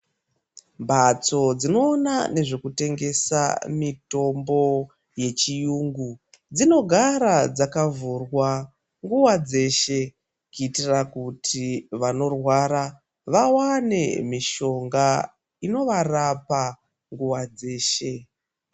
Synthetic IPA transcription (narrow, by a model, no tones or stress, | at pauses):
mbʱat͡so̞d͡zino̞ːna̰ne̞ʐe̞kute̞ŋɡe̞sa̰mito̞mbo̞ | je̞t͡ʃijuːŋɡu | d͡zino̞ɡʱaɾad͡zakavurwa | ŋɡuwad͡ze̞ʃe | kuitirakutʰiʋano̞rwaɾa | ʋawane̞̰miʃo̞ŋɡa | ino̞ʋarapa | ŋɡuwad͡ze̞ːʃe̞